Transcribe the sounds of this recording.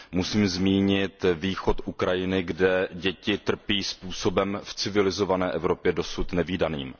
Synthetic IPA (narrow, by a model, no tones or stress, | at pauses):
musiːmzmiːɲɪt̪viːxo̞t̪ʔukɾajɪnɪɡdɛɟɛcɪt̪r̩piːspuːso̞bɛmft͡sɪvɪlɪzo̞vanɛːʔɛvɾo̞pjɛdo̞sut̪nɛviːdanḭːm